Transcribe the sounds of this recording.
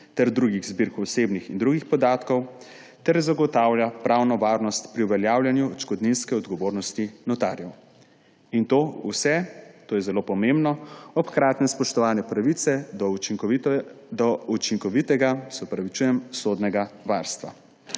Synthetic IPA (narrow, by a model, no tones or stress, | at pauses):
t̪ɛɾd̪ɾuɡiɣzbiɾkɔsebnixind̪ɾuɡixpɔd̪aːt̪kɔw | t̪ɛɾzaɡɔt̪aːwlʲjapɾawnɔʋaːɾnɔst̪pɾiuʋɛljaːwlʲjanjuɔt͡ʃkɔd̪ninskɛɔd̪ɡɔʋoːɾnɔst̪inɔt̪a̰ɾjɛw | int̪oːusɛt̪oːjɛzɛlopɔmembnɔɔpkɾaːt̪nɛspɔʃt̪ɔʋaːnɛpɾaʋit̪sɛɔ | d̪ɔut͡ʃiŋkɔʋit̪ɛɡasɛɔpɾaʋit͡ʃuːjɛmsod̪nɛɡaʋaɾst̪ʋa̰